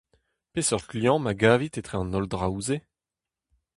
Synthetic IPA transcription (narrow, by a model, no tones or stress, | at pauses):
pesɔʁtljɔ̃maɡaːvit̪et̪χeɑ̃nɔldʁaze